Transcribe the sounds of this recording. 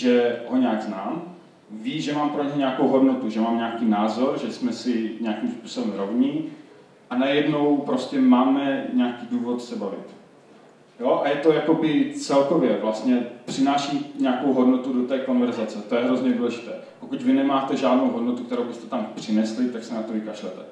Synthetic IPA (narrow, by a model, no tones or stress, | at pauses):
ʒɛɦo̞ɲɛaɡznaːm | viːʒɛmaːmpɾoɲɛɛɲɛako̞wɦo̞dnot̪uʒɛmaːmɲɛakiːnaːzo̞ɾʒɛsmɛsɪɲɛakimspuːso̞bɛmɾovɲɪ | ʔanajɛdno̞wpɾo̞scɛmaːmɛɲɛakiːduːvot̪sɛbavɪt̪ | joʔajɛt̪o̞jako̞bɪt͡sɛlkovjɛvlast̪ɲɛpr̝̥ɪnaːʃiɲakowɦo̞dnot̪udot̪ɛːko̞nvɛɾzat͡sɛt̪o̞jɛɦɾo̞zɲɛduːlɛʒɪt̪ɛː | pokucvɪnɛmaːt̪ɛʒaːdnowɦodnot̪ukt̪ɛɾo̞wbɪst̪ɛt̪ampr̝̥ɪnɛslɪt̪aksɛnat̪ovɪkaʃlɛt̪ɛ